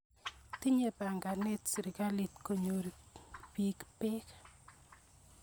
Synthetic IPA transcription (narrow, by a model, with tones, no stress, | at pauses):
ti˦ɲe˨pa˨ŋɡa˨ne˦tsɾɪ˨ka˦li˨tko˨ɲo˨ɾipi˦kpɪ˦k